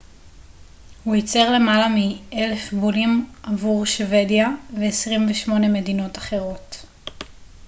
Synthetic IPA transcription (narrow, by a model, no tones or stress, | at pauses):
huit͡seʁle̞malamiele̞fbulimʔavuʁʃve̞djaveːsʁimveʃmo̞ne̞me̞dino̞taχe̞ʁo̞t